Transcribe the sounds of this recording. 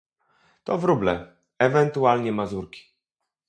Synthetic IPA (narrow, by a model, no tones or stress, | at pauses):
t̪ɔvɾublɛ | ɛvɛnt̪ualɲɛmazuɾkʲi̥